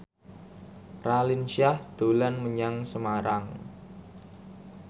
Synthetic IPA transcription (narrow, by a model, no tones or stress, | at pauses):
ralinʃiahd̪̥olanməɲaŋsəmaɾaŋ